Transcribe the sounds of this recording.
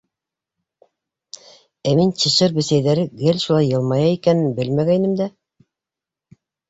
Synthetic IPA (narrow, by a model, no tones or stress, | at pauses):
æmint͡ɕɤ̆ʃɤɾbɘ̆sæjðæɾɘɡɘlʲʃulˠɑjːɤ̆lˠmɑjɑikænɘnbɘlmæɡænɘmd̪æ